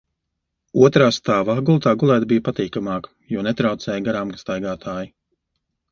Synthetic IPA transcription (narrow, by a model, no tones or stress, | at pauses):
uɔt̪ɾaːst̪aːvaɡulˠt̪aːɡulˠæːt̪bijpat̪iːkamaːkjuɔnɛt̪ɾawt̪sɛːjɡaɾaːmkḁst̪ajɡaːt̪ʰaːji